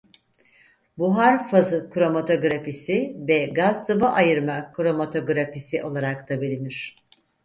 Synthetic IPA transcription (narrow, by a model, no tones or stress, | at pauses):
buɦaɾfazɯkʰɾo̞mat̪ʰo̞ɡɾapisivɛɡazt̪ʰɯbaʔajɯɾmakʰɾo̞mat̪ʰo̞ɡɾapisiʔo̞lˠaɾakt̪ʰabilʲiniɾ̝̥